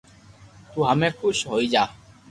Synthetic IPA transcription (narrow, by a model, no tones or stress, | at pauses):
t̪uːɦameːkʰuʃɦoid͡ʒaː